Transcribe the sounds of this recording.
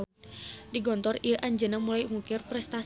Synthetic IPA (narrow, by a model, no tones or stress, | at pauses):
diɡɔnt̪ɔrijəʔaɲd͡ʒənamulaiŋukɪrpɾɛst̪a